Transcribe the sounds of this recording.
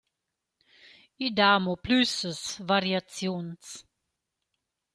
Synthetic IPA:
id̪aːmoplysəsvaɾjat͡sjons

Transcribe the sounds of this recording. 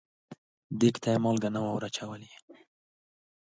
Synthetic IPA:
d̪ekt̪ʰamɔlɡanawawɾat͡ʃawəli

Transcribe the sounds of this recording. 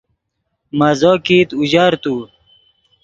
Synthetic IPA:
mazokiːt̪uʑaːɾt̪u

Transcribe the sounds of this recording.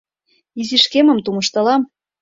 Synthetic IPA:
iziʃkemə̆mt̪umɤ̆ʃt̪ɤ̆lɑm

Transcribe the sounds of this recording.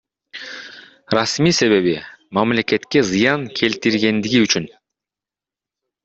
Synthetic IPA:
ɾɑsmiːse̞βe̞βimamle̞ke̞t̪ke̞zɯjɑŋkʰe̞lt̪iɾɡe̞nd̪iɡiyt͡ʃyn

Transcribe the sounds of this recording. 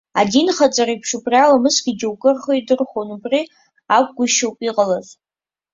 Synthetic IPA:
a̰dinχat͡sʼaɾaipʰʂupʰralamɨsɡʲiɡʲɪwkʼɨrχojdɨrχonubri | akʷɡʷʊʃowpʼiqʼalaz

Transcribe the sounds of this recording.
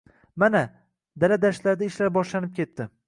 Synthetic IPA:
mana | d̪alad̪aʃt̪laɾd̪aɪʃlaɾbɒʃlanɪp̚kʲe̞t̪ʰːɪ

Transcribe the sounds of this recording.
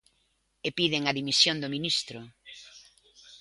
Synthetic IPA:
epiðeŋɐðimisjõnd̪ominist̪ɾʊ

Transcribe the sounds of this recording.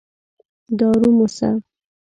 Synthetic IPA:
d̪ɑɾumusa̰

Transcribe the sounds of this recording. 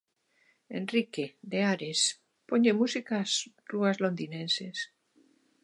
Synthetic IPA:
ḛnrikeðeaɾes | poɲemusikas | ruazlond̪inẽnses

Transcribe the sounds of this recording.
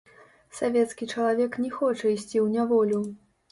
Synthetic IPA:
savʲɛt̪skʲit͡ʂɐlˠavʲɛknʲɛxɔt͡ʂɐisʲt͡sʲiwnʲavɔlʲu

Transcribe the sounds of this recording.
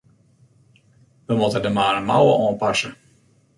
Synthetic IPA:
ʋəmutədəmaːɾəmawəʔɔːmpɑsə

